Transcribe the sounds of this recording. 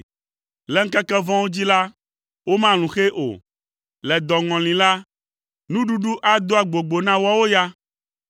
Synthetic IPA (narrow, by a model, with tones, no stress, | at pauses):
lɛ˨˦ŋ̩˦kɛ˦kɛ˦vɔ̃˦wo˦d͡ʑi˦la˦ | wo˦mã˦l̃ũ˨xe˦ʔo̰˨ | lɛ˨d̪ɔ˨ŋɔ̃˨lĩ˨la˦ | nũ˦ɖu˦ɖu˦ʔa˦d̪o˦a˨ɡ͡bo˨ɡ͡bo˨nã˦wɔ˦wo˦ja˦